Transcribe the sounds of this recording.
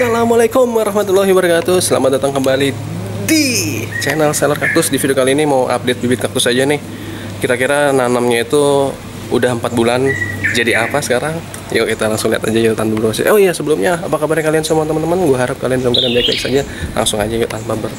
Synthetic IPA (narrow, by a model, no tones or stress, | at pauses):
salamalajkʊmwaɾɑhmat̪ulaɦibəɾkat̪ʊsəla̰mat̪̚dat̪aŋkəmbali | dit͡ʃɛnəlselərkak̚t̪ʊsdifidiokaliːnimawʔa̰p̚det̪̚bibɪt̪̚kak̚t̪ʊsad͡ʒanɪh | kiɾakiɾananamɲait̪u | ṵdaɦəmpat̪̚buland͡ʒadiapasə̥kaɾaŋ | jokit̪alaŋsʊŋlia̰t̪ad͡ʒajat̪anbubəɾuasa̰ʔoijasəbəlʊmɲaːpakabaɾakaliansəmuant̪əmənt̪əmanɡuaɦaɾap̚kaliandalamkalianbajk̚baɪksa̰d͡ʒalʔa̰ŋsʊŋad͡ʒajat̪anpabər